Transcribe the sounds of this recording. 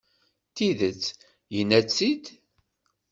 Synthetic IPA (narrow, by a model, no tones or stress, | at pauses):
t̪iðət͡sː | jənːæt͡sːid̪